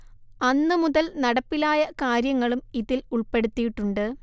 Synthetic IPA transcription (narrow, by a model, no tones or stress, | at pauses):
ɐnːɨmuðɐlnɐɽɐpːilaːjɐkaːɾjɐŋːɐɭumiðiluɭpe̞ɽut̪ːijiʈːuɳɖɨ